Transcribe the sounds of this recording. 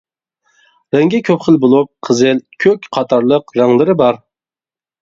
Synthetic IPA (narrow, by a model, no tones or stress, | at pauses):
ɾɛŋɡʲɛkʲʰøpχəlˠbolˠup̚qʰəzɨlkʲʰøkʲqʰɑt̪ʰɑɾlˠəqɾæŋlˠɨɾɪbɑɾ